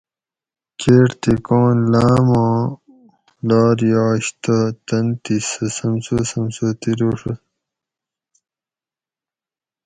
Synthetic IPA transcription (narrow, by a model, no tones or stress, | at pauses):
keːʈt̪ikõːnlaːmãː | laːɾjaːɕt̪ɐt̪ɐnt̪isɐsɐmsosɐmsot̪iɾoːʂɐ